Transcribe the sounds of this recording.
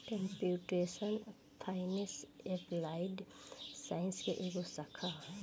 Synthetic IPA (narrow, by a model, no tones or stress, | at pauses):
kəmpuʈesən | fʰaɪneseplaɪɖsaɪnskeʔeɡosakʰa